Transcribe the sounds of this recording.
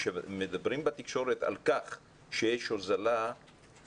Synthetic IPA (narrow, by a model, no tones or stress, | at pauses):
ʃemed̪abʁimbat̪ikʃo̞ɾet̪a̰lkaχ | ʃejeʃozala